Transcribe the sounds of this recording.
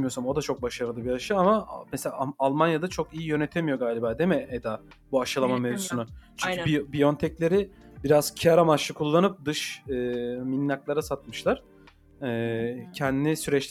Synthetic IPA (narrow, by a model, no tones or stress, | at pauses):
mijo̞samo̞d̪at͡ʃʰo̞k̚baʃaɾɯlˠɯbiaʃɯamamɛselʲa̰ːlˠmanjad̪at͡ʃʰo̞kijijø̞net̪ʰe̞mijo̞ɡaːlʲibaːd̪e̞mɛed̪a | buaʃɯlˠamamevzusunʊt͡ʃʰyɲcʰyibijont̪ʰɛclʲe̞ɾibiɾaz̥cʰijaɾamat͡ʃlɯkʰulˠːanɯp̚d̪ɯʃɯminːʲaklˠaɾasat̪̚mɯʃlˠaɾ̥ | ɛːcʰɛnd̪inʲisyɾɛt͡ʃʲ